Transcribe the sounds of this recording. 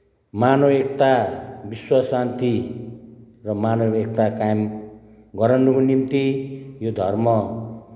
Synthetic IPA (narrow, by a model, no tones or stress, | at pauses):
manoek̚t̪abiswʌsant̪i | rʌmanoek̚t̪akajem | ɡʌɾʌnukonimt̪ijod̪ʱʌrmʌ